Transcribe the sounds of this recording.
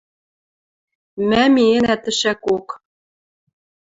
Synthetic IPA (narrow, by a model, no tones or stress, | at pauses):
mæmienæt̪ɘ̆ʃækok